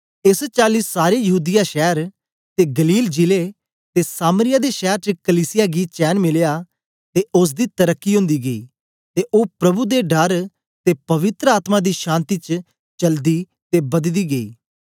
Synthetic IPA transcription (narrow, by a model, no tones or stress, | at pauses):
ɪst͡ʃaːliːsːaːɾeːjəɦuːd̪ɪjaːʃɛːɾ | t̪eːɡəliːld͡ʒileː | t̪eːsaːməɾɪjaːd̪eːʃɛːɾt͡ʃəkəliːsɪjaːɡiːt͡ʃɛːnmɪljaː | t̪eːʔʊs̬d̪iːt̪əɾəkːiːɦʊ̃nd̪iːɡəḭː | t̪eːʔoːpɾəbuːd̪eːɖəɾ | t̪eːpəʋɪt̪ɾəaːt̪mãːd̪iːʃãːnt̪iːt͡ʃ | t͡ʃəld̪iː | t̪eːbəd̪d̪iːɡəḭː